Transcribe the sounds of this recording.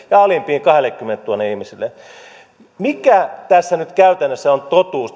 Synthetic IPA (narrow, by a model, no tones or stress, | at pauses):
jɑɑlimpiːŋkɑhelˑekːymːent̪t̪uonːeihmisilːe | mikæt̪æsːænyt̪kæyt̪ænːøsːæont̪ot̪uːst̪